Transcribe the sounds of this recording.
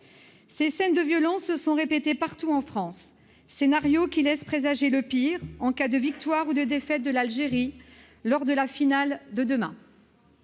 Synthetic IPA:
sesɛnd̪əvjɔlɑ̃sːəsɔ̃ʁepet̪epaʁt̪uɑ̃fχɑ̃sː | enaʁjokʲilɛspχezaʒeləpiʁɑ̃kad̪əvik̚t̪waʁud̪əd̪efɛt̪̚d̪əlalʒeʁi | lɔʁd̪əlafinald̪əd̪əmɛ̰̃

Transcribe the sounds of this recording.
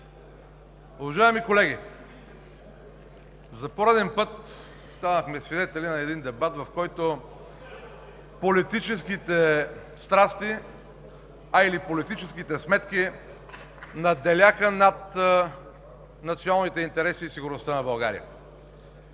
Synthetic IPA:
ʊvɐʒaɛmikolɛɡ̟ʲi | zɐpoɾɛd̪ɛnpɤt̪ | st̪anəxmɛsvid̪ɛt̪ɛlinɐɛd̪ind̪ɛbat̪vɐfkɔjt̪o | polit̪it͡ʃɛskit̪ɛst̪ɾast̪i | ɐilipolit̪it͡ʃɛsk̟it̪ɛsmɛt̪ki | nɐd̪ɛlʲaxənat̪ | nɐt̪sijonalˠnit̪ɛint̪ɛɾɛsiːsiɡʊɾnost̪anɐbɐlˠɡa̰ɾḭə̰

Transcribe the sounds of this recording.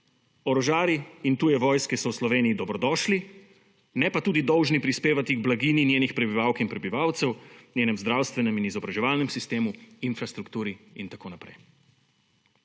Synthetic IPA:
ɔɾɔʒaːɾiint̪uːjɛʋɔːjskɛsɔwslɔʋeːnijid̪ɔbɾɔd̪ɔːʃli | nɛpat̪uːd̪id̪ɔwʒnipɾispeːʋat̪iɡblaɡiːninʲjeːnixpɾɛbiʋaːwkinpɾɛbiʋaːwt̪sɛwnʲjeːnɛmzd̪ɾaːwst̪ʋɛnɛminizɔbɾaʒɛʋaːlnɛmsist̪eːmuinfɾast̪ɾukt̪uːɾiint̪akoːnapɾɛ̰j

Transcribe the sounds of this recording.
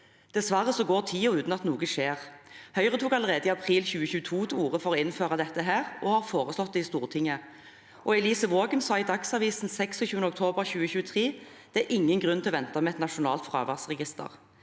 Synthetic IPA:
d̪̥ɛsʋɑʁəsɔɡoːʁt̪ʰiːɔʉːt̪n̩ɑt̪nuːɡəʂeːʁhœʏʁət̪ʰuːkɑləʁeːd̪əɪɑpʰʁiːlçʉːəçʉːət̪ʰuːt̪ʰɛuːʁəfɔɾɔɪnføːʁɑd̪ɛt̪ːəɦæːʁʔɔhɑːʁfoːʁəslɔt̪̚d̪ɛɪst̪uːʁt̪ʰɪŋə | ʔɔɛliːsəʋoːɡənsɑːɪd̪ɑksɑːʋiːsn̩sɛksɔçʉːənəʊkt̪ʰoːbəʁçʉːəçʉːət̪ʰʁiːd̪̥ɛæɾʔɪŋːənɡʁʉnt̪ʰɪlɔʋɛnt̪ɑmɛɛt̪nɑʃʊnɑ̰ːlt̪fʁɑ̰ːʋæʁsʁɛɡɪst̪ə̰ʁ

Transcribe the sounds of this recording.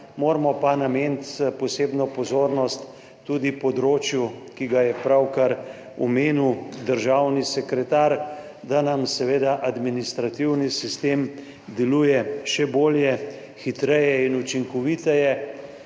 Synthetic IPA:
moːɾmɔpanameːnt̪pɔseːbnɔpɔzoːɾnɔst̪ː | ud̪ipɔd̪ɾoːt͡ʃjukiɡajɛpɾawkaɾ | ɔmeːniwd̪əɾʒawnisɛkɾɛt̪aɾ | d̪anamsɛʋeːd̪aʔad̪minist̪ɾat̪iwnisist̪eːm | d̪ɛluːjɛʃɛboːljɛ | xit̪ɾɛjɛinut͡ʃiŋkɔʋit̪ɛjɛ

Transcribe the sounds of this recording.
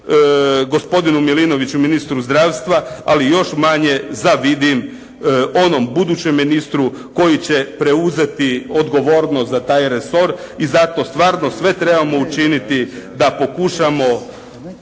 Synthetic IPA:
ɡo̞spo̞d̪inumilino̞ʋit͡ɕuminist̪ɾuzd̪ɾaːʋst̪ʋaalijo̞ʃmaɲe̞zaʋid̪im | o̞no̞mbud̪uːt͡ɕe̞mːinist̪ɾu | ko̞jit͡ɕe̞pɾe̞uze̞t̪io̞d̪ɡo̞ʋo̞ɾnot̪zat̪aːjɾeso̞ɾ | izat̪o̞st̪ʋaːɾno̞sʋe̞t̪ɾe̞bamo̞ut͡ʃinit̪id̪apo̞kuʃamo̞

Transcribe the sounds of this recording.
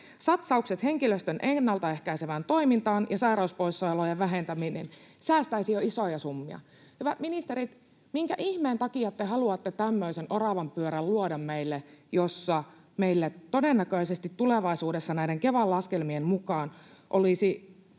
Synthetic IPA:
sɑt̪sɑukset̪he̞ŋkiløst̪ønʔenːɑlt̪ɑehkæiseʋænt̪o̞imint̪ɑːnjɑsɑiræyspoisːoelojeʋʋæɦent̪æminḛn | sæːst̪æisijoisojɑsumːiɑ̰ | hyʋæt̪minist̪eɾit̪ | miŋkæʔiçmeːnt̪ɑkiɑt̪ːeɦɑluɑt̪ːet̪æmːøisenʔorɑʋɑmpyøɾælːuodɑmmeilːejosːɑ | meilːet̪o̞denːækøisest̪it̪tuleʋɑisuːdesːɑnæideŋke̞ʋɑlːɑskelmiemmukɑːnʔolisi

